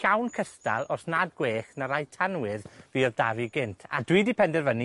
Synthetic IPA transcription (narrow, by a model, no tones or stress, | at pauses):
awnkʰəsta̰lˠɔsnad̚ɡweːχnaɾajtʰanwɪðviːɔrdaviɡɪntʰadwiːdipʰɛndɛrvəni